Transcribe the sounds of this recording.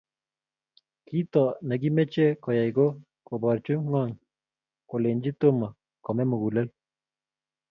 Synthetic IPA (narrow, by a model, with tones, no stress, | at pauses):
ki˦t̪ɔ˨na˨ɡi˦me˦t͡ʃe˦ko˨ja˨jɡo˦ | ko˨bɔ˨ɾt͡ʃu˦ŋɔ˦˨ŋ | ko˨le˨ɲd͡ʒi˦t̪o˦ma˨ | kɔ˨mɛ˦mu˨ɣu˨la˦l